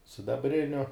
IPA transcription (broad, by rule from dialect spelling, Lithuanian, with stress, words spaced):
sʲɪdɐbʲˈrʲɪnʲʊ